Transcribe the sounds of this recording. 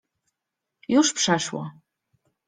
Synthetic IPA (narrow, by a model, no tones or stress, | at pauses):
juʂpʂaʂwa̰